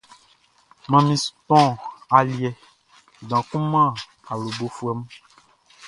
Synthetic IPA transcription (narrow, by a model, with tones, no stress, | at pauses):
mã˨mĩ˨spɔ̃˦˨a˨ljɛ˨ | ɡã˨kũ˦mã˦˨ | a˨lu˨bo˨fu˨ɛ˨m˦